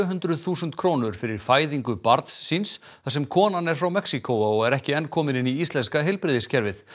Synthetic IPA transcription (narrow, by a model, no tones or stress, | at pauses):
œɦʏnt̪ɾʏðθuːsʏnt̪kʰɾoːwnʏɾ̥fɪɾɪɾ̥faːjðiŋkʏpaɾt̪sːins | θasɛmkʰɔːnanɛɾ̥fɾawmɛksikowaɔɣɛɾɛhcɪɛnːkʰɔːmɪnɪniist̪lɛnskaɦɛlpɾɪðɪscɛɾvɪθ